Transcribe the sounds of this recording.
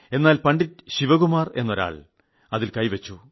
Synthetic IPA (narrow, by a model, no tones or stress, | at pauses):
e̞nːaːlpɐɳɖitɕiʋɐɣumaːre̞nːo̞ɾa̰ːɭ | ɐðilkɐjʋɐt͡ɕːu